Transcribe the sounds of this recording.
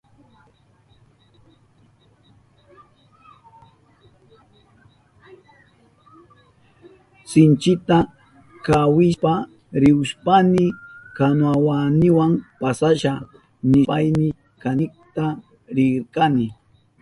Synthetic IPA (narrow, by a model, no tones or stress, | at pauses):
sɪnt͡ʃɪt̪a | kawɪʃpa | ɾɪʊʃpanɪkanwawanɪwampasaʃa | nɪajnɪ | kanɪkt̪a | ɾɪɾkanɪ